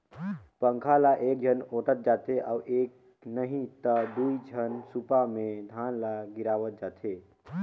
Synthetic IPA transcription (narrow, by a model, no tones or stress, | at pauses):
pəŋkʰalaʔek̚d͡ʒʱənoʈ̪ət̪̚d͡ʒat̪eʔaːuʔek | nəɦĩt̪əd̪uid͡ʒʱənsupamed̪ʱanlaɡiɾaʋət̪̚d͡ʒat̪ʰe